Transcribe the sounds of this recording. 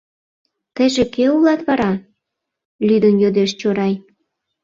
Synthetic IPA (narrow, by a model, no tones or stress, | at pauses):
t̪ə̆ʒekeulɑt̪βɑɾɑ | lʲyd̪ənjod̪eʃt͡ɕoɾɑj